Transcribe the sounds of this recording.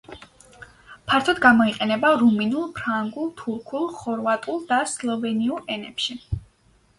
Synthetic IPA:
pʰaɾt̪ʰɔd̪ɡamɔiqʼɛnɛbaɾuminulˠpʰɾaŋɡulˠt̪ʰuɾkʰulˠχɔɾvat̪ʼulˠd̪aslˠɔvɛniulˠɛnɛpʃi

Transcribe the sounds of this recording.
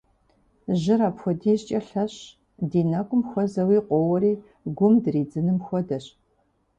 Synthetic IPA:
ʑɪɾaːpxʷɔdiːɕt͡ʃʼɐɬɐɕ | diːnɐkʷʼʊmxʷɔzɐwiːqʷɔwɐɾiː | ɡʷʊmdriːd͡zɨnɨmxʷɔdɐɕ

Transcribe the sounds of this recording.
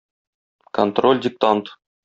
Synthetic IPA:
kont̪ro̞lʲdʲɪk̚t̪ant̪

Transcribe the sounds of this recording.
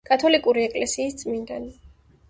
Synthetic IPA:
kʼat̪ʰɔlikʼuɾiɛkʼlɛsiːst̪sʼmind̪ani

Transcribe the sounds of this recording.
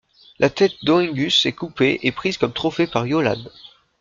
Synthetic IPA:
lʔat̪ɛt̪̚d̪oɛ̃ŋɡʲysɛkupeʔepχizkɔmt̪χɔfepaʁjola̰n

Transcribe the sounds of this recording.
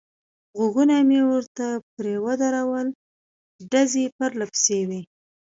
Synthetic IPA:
ɣʊɡunamewəɾt̪apɾewad̪aɾawəl | ɖazepaɾlapsewi

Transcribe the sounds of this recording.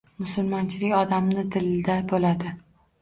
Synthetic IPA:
mʊsʊlˠmɒnt͡ʃʰɪlɪkʲɒd̪amnɪd̪ɪld̪abolad̪ɪ

